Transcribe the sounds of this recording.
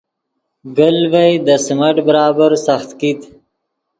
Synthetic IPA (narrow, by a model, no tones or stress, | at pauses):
ɡəlvajd̪əsmaʈbəɾɑːbaɾsaxt̪kit̪